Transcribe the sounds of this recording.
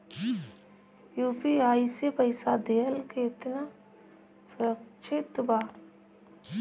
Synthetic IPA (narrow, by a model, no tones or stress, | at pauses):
juːpiaːisepɐɪsad̪eːəlkeɪt̪na | sʊɾəkʃʰɪt̪baː